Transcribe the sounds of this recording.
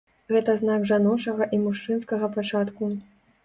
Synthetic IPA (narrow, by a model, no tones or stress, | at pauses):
ɣɛt̪ɐznaɡʐanɔt͡ʂɐɣɐʔimuʂt͡ʂɨnskɐɣɐpat͡ʂat̪ku